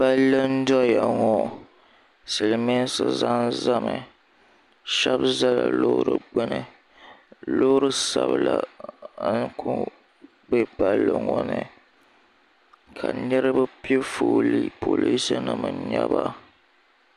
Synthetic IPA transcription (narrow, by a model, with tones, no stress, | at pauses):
ba˦lːɨ˦n̩˦dɔ˦ja˨ŋɔ˦ | sɨ˨lme˦n˦sɨ˨za˦n˦za˦mɨ˨ | ʃɛ˦bza˦la̰˨lo˦ɾɨ˨ɡ͡bɨ˦nɨ˨ | lo˦ɾɨ˦sa˨bɨ˨la˨˦ | nkʰu˦ | bɛ˦pa˦lːɨ˨ŋɔ˦nɨ˨ | kʰa˨nɨ˦ɾɨ˦ba˦pi˦e˦foː˨li˦po˨li˦sɨ˦nɨ˨mɨ˨ɲa˦ba˦